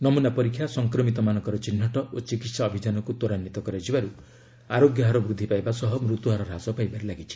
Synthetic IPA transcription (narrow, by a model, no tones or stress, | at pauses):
nɔmunapɔɾikʰːjasɔŋkɾɔmit̪ɔmanɔ̃ŋkɔɾɔt͡ʃin̤ːɔʈɔʔot͡ʃikit̪saːbʱid͡ʒanɔkut̪oɾanːit̪ɔkɔɾɔd͡ʒibaɾu | aɾoɡjɔɦaɾɔbɾud̪ʱːipajbasɔɦɔmɾut̪uɦaɾɔɾasɔpajbaɾelaɡit͡ʃʰi̥